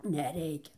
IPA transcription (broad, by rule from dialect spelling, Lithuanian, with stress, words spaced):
nʲɛˈrʲɛɪkʲɛ